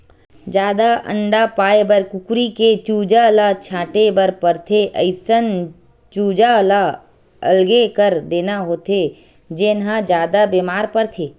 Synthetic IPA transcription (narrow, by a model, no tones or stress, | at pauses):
d͡ʒjaːd̪aʔə̰̃ɳɖapaːebəɾkʊkɾiket͡ʃuːd͡ʒalat͡ʃʰãːʈebəɾpəɾt̪ʰeʔəɪsən | t͡ʃuːd͡ʒala | ə̰lɡekəɾd̪eːnaɦoːt̪ʰe | d͡ʒeːnɦãd͡ʒjaːd̪abeːmaːɾpəɾt̪ʰeː